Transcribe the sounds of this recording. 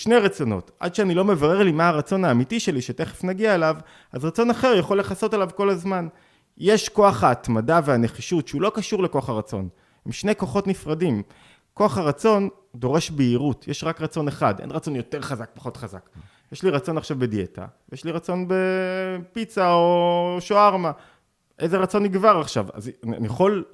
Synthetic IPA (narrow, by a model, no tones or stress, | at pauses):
ʃne̞jʁat͡so̞no̞̰ta̰dʃeanilo̞me̞vaʁe̞ʁlimaaʁat͡so̞naːmitiʃe̞liʃete̞χefnaɡiaelav | azʁat͡so̞naχe̞ʁjaχolːeχaso̞telavko̞lazman | je̞ʃko̞aχhaːtmadaveaneχiʃutʃeulo̞kaʃuʁleko̞aχaʁat͡so̞̰n | hemʃnejko̞χo̞tnifʁadim | ko̞aχhaʁat͡so̞n | do̞ʁe̞ʃbeiʁutjeʃʁakʁat͡so̞neχa̰dḛnʁat͡so̞njo̞te̞ʁχazak̚pḁχo̞tχaza̰k | jeʃliʁat͡so̞naχʃavbe̞die̞ta̰jeʃliʁat͡so̞nbe̞pit͡saoʃoaʁma | ʔe̞jzeʁat͡so̞niɡvaʁaχʃa̰va̰zna̰niaχo̞l